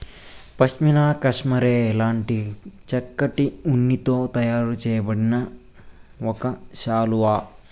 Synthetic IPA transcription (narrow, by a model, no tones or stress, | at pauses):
pɐʃt͡ʃminaːkɐʂmɐɾeːlaːɳʈit͡ʃɐkːɐʈiunːit̪o̞ːt̪ɐjaːɾut͡ʃɛːjɐbɐɽinɐ | ɔkɐʃaːluʋaː